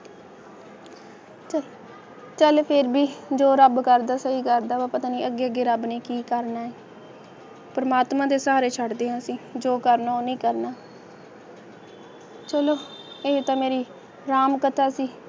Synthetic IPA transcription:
t͡ʃəl | t͡ʃəlpʰɪɾbiːd͡ʒoːɾəbkəɾd̪aːsəiːkəɾd̪aːʋaːpət̪aːnĩːʔəɡeːəɡeːɾəbnĩːkiːkəɾnaːeː | pəɾəmaːt̪mãːd̪eːsaːɾeːt͡ʃʰəɖd̪eːɦãːsĩːd͡ʒoːkəɾnaːoːnĩːkəɾnaː | t͡ʃəloːeːt̪ãːmeːɾiː | ɾaːmkət̪ʰaːsiː

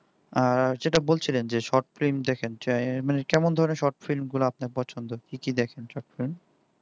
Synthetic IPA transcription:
aɾd͡ʑeʈabolt͡ɕʰilend͡ʑeʃɔʈfɾimd̪ɛkʰent͡ɕmanekɛmond̪ʱɔɾoneʃɔɾʈfilmɡuloap̚naɾpɔt͡ɕʰont̪okikid̪ɛkʰenʃɔʈfilm

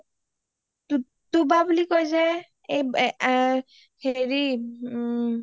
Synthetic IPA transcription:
t | t̪ubabulikojs̬ɛ | ej | heɹi

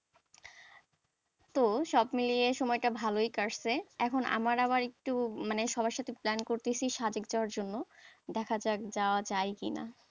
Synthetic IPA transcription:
t̪oʃɔbmilijeʃɔmɔeʈabʱalojkaɾseɛkʰonʔa̰maɾabaɾek̚ʈumaneʃɔbʱaʃat̪ʰiplɛnkoɾt̪et͡ɕʰiʃad͡ʑeɡd͡ʑaoaɾd͡ʑonːod̪ɛkʰad͡ʑad͡ʑaoat͡ɕajkḭna̰

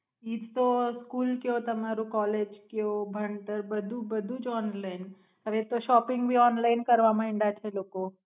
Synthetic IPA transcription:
iːd͡ʒt̪oskuːlkjot̪ɐmaɾũkɔːled͡ʒkjobʱəɳʈəɾbəd̪ʱubəd̪ʱud͡ʒɔːnlaɪn | əɾet̪oʃɔːpɪ̃ŋɡbʱiɔːnlaɪnkəɾʋamãɪ̃ɳɖat͡ʃʰeloːko

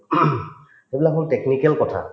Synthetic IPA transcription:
ebilakɔnteknikɛlkɔtʰa̰

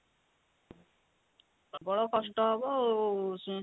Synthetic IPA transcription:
bɔɽokɔsʈɔɦɔbos

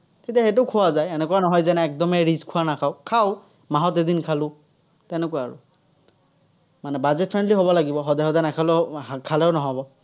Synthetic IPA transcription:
kʰetiaxet̬ʊkʰuwazajɛnɛkuanɔɦɔjzɛnɛːk̚dɔmɛɹiskʰuanakʰaʊkʰaʊ | maɦɔtedinkʰalʊ̃ | tɛnɛkʊaɹʊ̰ | manɛbazɛt̚pʰɹɛndliɦɔβɔlaɡibɔɦɔdajɦɔdajnakʰalɛkʰalɛʊnɔɦɔbɔ

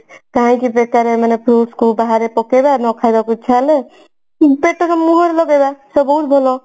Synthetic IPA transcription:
kaɦãjkibekaɾemanepɾoskobaɦaɾepɔkebanʌkʰajɾʌkut͡sʰale | beʈːʌkamuɦeɾlʌɡebasʌbʌwt̪bʱolo

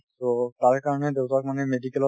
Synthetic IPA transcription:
t̪ot̪aɹkaɹɔned̪ewtak̚manemedikɛlɔ

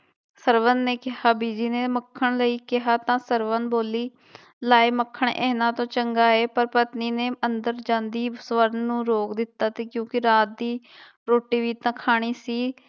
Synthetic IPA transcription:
səɾʋənːeːkɪɦaːbiːd͡ʒiːneːməkʰːəɳləiːkɪɦaːt̪ãːsəɾʋənboːliː | laːeːməkʰːəɳʔɛ̰ːnãːt̪õːt͡ʃəŋɡaːeːpəɾpət̪niːneːənd̪əɾd͡ʒãːnd̪iːsʋəɾnːũːɾoːkd̪ɪt̪ːaːt̪eːkjõːkɪɾaːt̪̚d̪iː | ɾoːʈːiːʋiːt̪ãːkʰaːɽ̃iːsiː

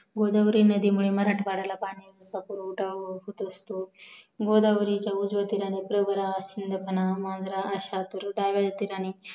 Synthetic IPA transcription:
ɡod̪aʋɾinəd̪imuɭeməɾaʈʋaɽalapanid͡zt͡sapuɾɖaɦut̪əst̪oɡod̪aʋɾit͡ɕjaud͡zʋat̪iɾanipɾəʋəɾasind̪ʱəpənamand͡zɾaʔːɕat̪əɾɖaʋad̪at̪iɾani

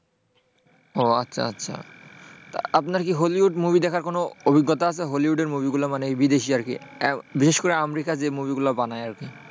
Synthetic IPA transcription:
oatːɕʰa̰atːɕʰa̰t̪aapnaɾkiɦoliɦuɖmubid̪ɛkʰaɾkonoobʱiɡːot̪oat͡ɕʰeɦoliɦuɖeɾmubiɡulamanebid̪eʃiaɾkḭbiʃeʃkoɾeamɾikad͡ʑemubiɡulabanaeaɾki

